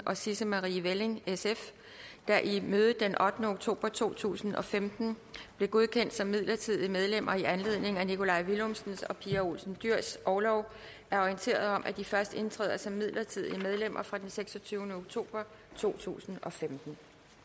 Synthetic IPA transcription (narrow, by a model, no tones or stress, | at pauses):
ʔɒ̽sisəmɑʁiːʋele̝ŋesef | d̥æʔimøːð̞ˠəd̥enʔɒ̽d̥nəoɡ̥̚t͡sʰo̝̰ːb̥ɐt͡sʰo̝̰ːt͡sʰṵːsn̩ɒ̽femd̥n̩b̥le̝ɡ̥o̝ðˠkʰen̰d̥sɒ̽mːið̞̰ˠlɐt͡sʰið̞̰ˠiəmeðˠlem̰ɐiænle̝ð̰ˠne̝ŋænikʰo̝lɑ̈ɪʋilomsn̩sɒ̽pʰiæo̝̰lsn̩d̥yɐ̰sʔɒʊlɒʊ | ʔæɐɒient͡sʰe̝̰ːɐð̩ˠɒ̽mʔæd̥ifɶɐsd̥e̝nt͡sʰʁɛ̰ːð̰ˠɐsɒ̽mːið̰ˠlʔɐt͡sʰiðˠiəmeð̞ˠlem̰ʔɐfʁɑ̈d̥enseɡ̥sɒ̽t͡sʰyːʊnəoɡ̥̚t͡sʰo̝̰ːb̥ɐ | t͡sʰo̝̰ːt͡sʰṵːsn̩ɒ̽femd̥n̩